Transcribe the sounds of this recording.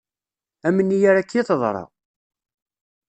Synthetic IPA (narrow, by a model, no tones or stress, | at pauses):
æmənːijaɾakːiθəðˤɾˤɑ̰